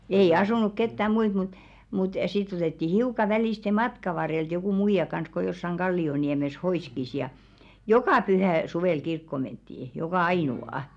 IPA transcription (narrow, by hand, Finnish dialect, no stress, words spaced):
ei ɑsunuk ketːæ muit mut mut sitː otetːi hiukɑ ʋæliˑste mɑtkɑ ʋɑrːelt jokuˑ muijɑ kɑns ko josːɑŋ ɡ̊ɑlːioniɛmes hoiˑskis jɑ jokɑˑ pyhæˑ suʋeˑl kirkːo mentːiː jokɑˑ ɑiˑnuɑˑ